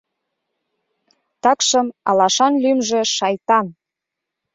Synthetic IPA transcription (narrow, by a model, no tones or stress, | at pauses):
t̪ɑkʃəmɑ̰lɑʃɑnlymʒĕʃɑjt̪ɑn